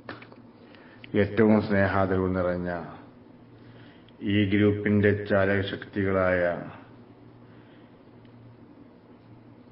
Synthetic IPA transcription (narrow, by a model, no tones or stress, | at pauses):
e̞ːtːɐʋumsne̞ːɦaːðɐɾʋunːirɐɲːɐ | iːɡɾuːpːinde̞t͡ɕaːlɐɐɕɐkt̪iɣɐɭaːjɐ